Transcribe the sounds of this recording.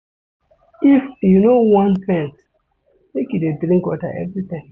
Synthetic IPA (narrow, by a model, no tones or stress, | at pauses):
ifjunowãnfɛ̃ns | mekjudedɾĩŋkwɔta̰ʔɛ̰vɾit̪ãm